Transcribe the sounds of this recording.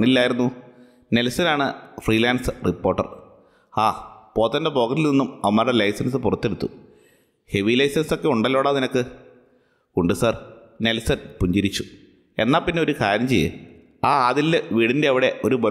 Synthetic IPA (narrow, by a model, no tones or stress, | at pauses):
ɳilːaːjiɾunːu | ne̞lsɐnaːɳɨfriːlaːnsɨrʔipːo̞ːrʈːɐ̰r | aːpo̞ːt̪ːɐndepo̞ːɣɐtːilninːumɐʋɐmːaːɾɽelɐjsɐnsɨpurɐt̪ːeɽut̪ːu | he̞ʋilɐjsɐnso̞kːe̞uɳɖɐlːo̞ːɽaːninɐkːɨ | kuɳɖɨsɐr | ne̞lsɐnpuɲd͡ʑiɾit͡ɕːu̥ | e̞̰nːaːlpinːe̞o̞ɾukaːɾjɐmt͡ɕejːḛ | aːaːðilːeʋiːɽinde̞ɐʋiɽe̞ʔo̞ɾubo